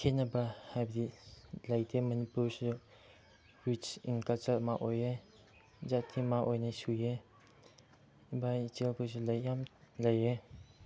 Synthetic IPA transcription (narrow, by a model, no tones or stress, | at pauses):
kʰenɐbahajbɐdilajtʰemɐnipuɾsu | wit͡ʃinkalt͡ʃaɾmaʔoje | zatʰːimaʔojnasuje | ibajt͡ʃelpʰus̬ulɐjːamlɐje